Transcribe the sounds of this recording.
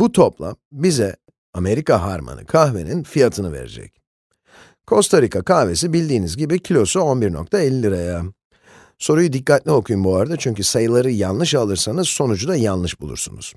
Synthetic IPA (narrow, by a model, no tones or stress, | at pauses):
but̪ʰo̞plˠa̰mbizɛ | ame̞ɾikaɦa̰ɾma̰nɯ̰kʰahve̞̰ninfijat̪ʰɯnɯvḛɾḛd͡ʒɛ̰c | kʰo̞st̪ʰaɾikakʰahve̞sibilʲd̪iːnizɡɟibicʰilʲo̞suo̞nbiɾno̞̰k̚t̪ʰaelʲːilʲiɾaja | so̞ɾujud̪ikːat̪lʲio̞kʰujumbuaɾad̪at͡ʃʰyɲcʰysajɯlˠaɾɯjanlˠɯʃalˠɯɾsanɯz̥so̞nud͡ʒud̪ajanlːˠɯʃbulˠṵɾsṵnṵz̥